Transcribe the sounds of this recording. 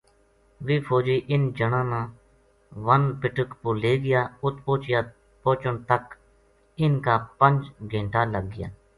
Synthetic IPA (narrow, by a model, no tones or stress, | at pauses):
ʋiːpʰoːd͡ʒiːʔɪnd͡ʒəɳãːnãː | ʋənpɪʈəkpʊleːɡɪjaːʊt̪poːt͡ʃɪjaː | poːt͡ʃənt̪ək | ɪnkaːpəɲd͡ʒɡʱẽːɳʈaːləɡːɪja̰ː